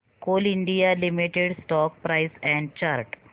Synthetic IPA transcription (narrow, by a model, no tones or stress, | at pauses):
koliɳɖijalimiʈeɽsʈɔk̚pɾajsɛ̃ɳɖ̚t͡ɕaɾʈ